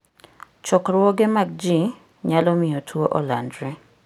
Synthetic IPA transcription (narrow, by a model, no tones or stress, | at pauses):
t͡ʃɔkɾwɔɡɪmaɡ̚d͡ʒi | ɲalɔmɪotʰwoʔɔ̰landɾɛ